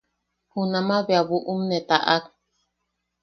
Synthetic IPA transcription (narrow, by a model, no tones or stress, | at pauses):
hunamaβeaβuʔumnet̪aʔak̚